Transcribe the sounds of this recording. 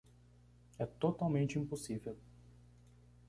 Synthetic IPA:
ɛt̪ot̪awmẽnt͡ʃɪĩpusivew

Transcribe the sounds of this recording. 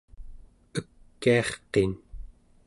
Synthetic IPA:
əkːiɑχqen

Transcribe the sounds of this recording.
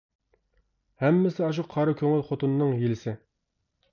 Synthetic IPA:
hɛmːɪsɪɑʃ̬uqʰːɑɾɨkʲʰøŋɪlχot̪unːɨŋjelɪsɪ

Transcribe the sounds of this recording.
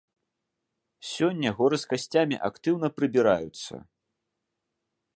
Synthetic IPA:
sʲɔnʲːɐɣɔɾɨskasʲt͡sʲamʲḭʔakt̪ɨwnɐpɾɨbʲiɾa̰jut̪sːɐ̰

